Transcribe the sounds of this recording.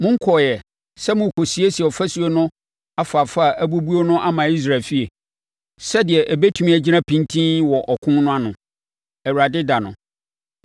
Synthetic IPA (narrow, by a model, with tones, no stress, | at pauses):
mʊ̃˦ŋ̩˦kʰɔ˨jɛ˨ | sɛ˦mʊ̃˨kʰo˨si˨˦e˦si˨ɔ˨fæ˦su˨˦e˦nʊ̃˦ | a˦fa˨fa˦˨æ˦bu˦bu˦o˦nʊ̃˦ʔa˦mã˨i˦s̬ɾa˨fi˦e˨ | sɛ˦dɪ˨ɛ˨ʔæ˨be˦tʰu˨mĩ˨˦æ˨d͡ʑi˦nã˦pʰĩ˦ntʰĩ˦nwɔ˨ʔɔ˨kʰʊ̃˦nʊ̃˦a˦nʊ̃˨ | ɛ˨wu˨ɾa˨dɪ˦da˨nʊ̰̃˨